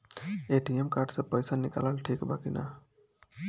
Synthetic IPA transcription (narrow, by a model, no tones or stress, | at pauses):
eʈiemkaɾɖsʌ̃pəjsanikaləlʈʰikbakḭna̰